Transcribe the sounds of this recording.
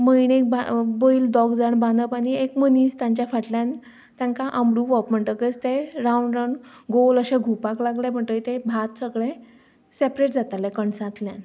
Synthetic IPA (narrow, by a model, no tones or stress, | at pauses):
məjɽek̚baboiːld̪ɔɡd͡zaɳbanəpañiekməniːst̪jãɲt͡ɕjafaʈljãn | t̪jãŋkaʔamɽuʋɔpm̤əɳʈ̪əkət͡st̪eɾauɳɖɾawɳɖɡoləɕẽɡʱupaklaɡlẽm̤əɳt̪əit̪ebʱat̪səɡɭẽ | sepɾeʈ̚d͡zat̪alɛ̃kəɳsãt̪ljãn